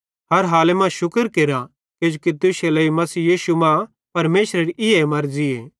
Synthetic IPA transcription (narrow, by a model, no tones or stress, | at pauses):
ɦɐɾɦaːlemãʃʊkəɾkeɾa | ked͡ʒokit̪ʊʃelɐimɐsiːjiːsumã | pɐɾmeːsɾeɾiʔɪemɐɾd͡ʒɪeː